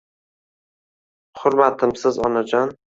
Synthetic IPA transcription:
χʊɾmat̪ʰɪmsɪzɒnad͡ʒɒn

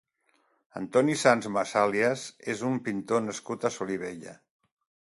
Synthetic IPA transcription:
ə̰nt̪ɔnisanzmasaliəzezumpint̪onəskut̪əsuliβ̞eʎə̰

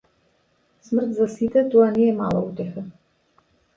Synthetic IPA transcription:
smr̩t̪zasit̪ɛt̪ɔanɛɛma̰lˠa̰ut̪ɛxa

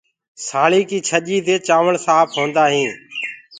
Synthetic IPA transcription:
saːɭiːkiːt͡ʃʰəʄiːd̪eːt͡ʃaːʋəɳsaːpʰɦõːnd̪aːɦĩː

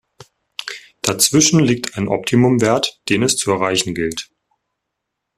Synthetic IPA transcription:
d̥at͡sv̥ɪʃn̩liːk̚tʰaɪnʔɔ̰p̚tʰimʊmveːɐtd̥eːnɛst͡suɛɐʁ̞aɪçn̩ɡɪlt

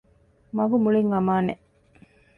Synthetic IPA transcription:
mɐɡumuɭiŋʋɐmaːne

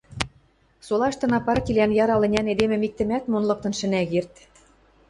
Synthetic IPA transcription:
solɑʃt̪ɤ̆nɑpɑɾt̪ʲilʲænjɑɾɑlɘ̆nʲæned̪emɘ̆mik̚t̪ɘ̆mæt̪monlˠɤ̆k̚t̪ɤ̆nʃɘ̆næɣert̪

